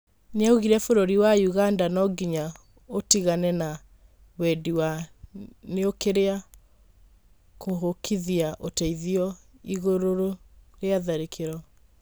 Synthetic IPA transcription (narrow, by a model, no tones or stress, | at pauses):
neauɣiɾɛfoɾoɾiwajuɣandanɔɡiɲa | otiɣanɛna | wɛdiwa | neokeɾea | koɦokʰiðiaʔotɛiðiɔiɣoɾoɾoɾeaðaɾekʰeɾɔ